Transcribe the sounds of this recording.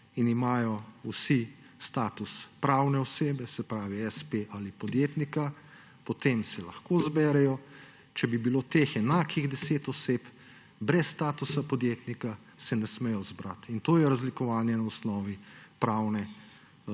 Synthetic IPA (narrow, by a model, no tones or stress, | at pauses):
inimaːjɔusi | st̪aːt̪uspɾaːwnɛɔseːbɛsɛpɾaːʋiɛspeʔalipɔd̪jeːt̪nika | pɔt̪emsɛlɐ̰xkozbɛːɾɛjɔ | t͡ʃɛbibiloːt̪eːxɛnaːkiɣd̪ɛseːt̪ɔseːp | bɾɛsːt̪aːt̪usapɔd̪jeːt̪nika | sɛnɛsmɛjɔzbɾat̪int̪oːjɛɾazlikɔʋaːnjɛnaɔsnɔːʋipɾawnɛ